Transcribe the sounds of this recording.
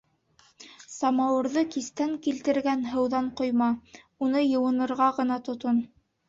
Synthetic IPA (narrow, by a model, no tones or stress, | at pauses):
sɑmɑwɤ̆ɾðɤkist̪æŋkilt̪ɘ̆ɾɡænɦɤ̆wðɑɴqŏjmɑ | unɤjɤ̆wɤ̆nɤ̆ɾʁɑʁɤ̆nɑt̪ŏt̪on